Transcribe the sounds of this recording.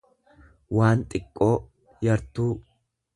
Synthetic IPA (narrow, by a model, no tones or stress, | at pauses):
wʔaːnt̪ʼɪkʼːo̞ː | jɐɾt̪uː